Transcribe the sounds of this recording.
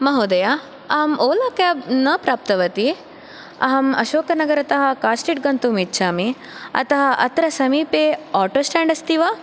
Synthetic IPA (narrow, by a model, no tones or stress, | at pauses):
mɐɦoːd̪ɐja | ɐɦɐmoːlaːkaːbnɐpɾaːp̚t̪ɐʋɐt̪i | ɐ̰ɦɐmɐ̰ʃoːkɐnɐɡɐɾɐt̪ɐɦɐkaːsʈiʈ̚ɡɐnt̪umitːʃʰaːmi | ɐ̰t̪ɐɦɐʔɐ̰t̪ɾɐsɐmiːpeːaːʈoːsʈaːɳɖɐst̪iʋɐ